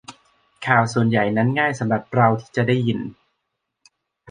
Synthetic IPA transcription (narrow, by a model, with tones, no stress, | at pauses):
kʰaː˨˩wsu˨˩ənja˨˩jna˦˥nŋaː˥˩jsa˨˦mɾa˨˩p̚ɾa˧wt̪ʰiː˥˩t͡ɕa˨˩daː˥˩jːi˨˩n